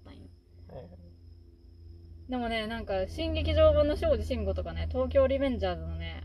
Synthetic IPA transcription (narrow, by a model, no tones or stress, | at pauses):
ĩn | d̪e̞mo̞ne̞nãŋkaɕĩŋɡe̞kʲiʑo̞ːβɯ̃nːo̞ɕo̞ːd͡ʑiɕĩŋɡot̪o̞kane̞t̪o̞ːk̬ʲo̞ːɾʲimẽ̞ɲd͡ʑaːzɨnone̞